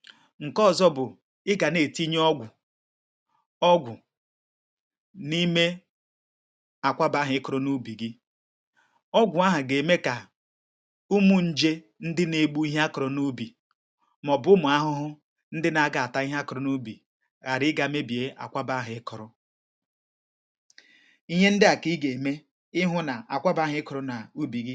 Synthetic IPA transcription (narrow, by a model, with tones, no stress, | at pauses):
ŋ̩˨kɔ˦˨zɔ˦bʊ˨ | ɪ˦ɡa˨ne˨ti˦ɲ˦ɔ˦ɡʷʊ˨ | ɔ˦ɡʷʊ˨ | ni˦me˦ | a˨kʷa˦ba˦ɦʊ˨ɪ˦kɔ˨ɾʊ˦nu˦bi˨ɡɪ˦ | ɔ˦ɡʷʊ˨a˦ɦa˨ɡe˨me˦ka˨ | u˦mu˦n̩˦d͡ʒe˦ | n̩˦dɪ˦ne˨ɡ͡bu˦i˦ɦa˦kʊ˨ɾʊ˨nu˦bi˨ | m˨ɔ˨bʊ˦mʊ˨a˦ɦʊ˦ɦʊ˦ | n̩˦dɪ˦na˨a˨ɡa˨a˨ta˦i˦ɦa˦kʊ˨ɾʊ˨nu˦bi˨ | ɣa˨ɾɪ˦ɡa˨me˦bi˨e˦ʔa̰˨kʷa˦ba˦ɦɪ˨˦ɪ˦kʊ˨ɾʊ˦ | i˦ɦe˦n̩˦dɪ˦a˨ki˦ɡe˨me˦ | ɪ˦ɦʊ˦na˨ʔa˨kʷa˦ba˦ɦɪ˨˦ɪ˦kʊ˨ɾʊ˨na˨u˦bi˨ɡi˦